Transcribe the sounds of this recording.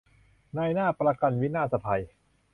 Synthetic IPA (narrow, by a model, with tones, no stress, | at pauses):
na˧jnaː˥˩pɾa˧ka˧nwi˦˥naː˥˩sa˧p̪ʰa˧j